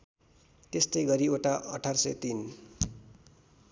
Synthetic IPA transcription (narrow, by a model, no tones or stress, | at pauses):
t̪est̪ʌjɡʌɾioʈaʔʌʈʰarsʌ̰jt̪in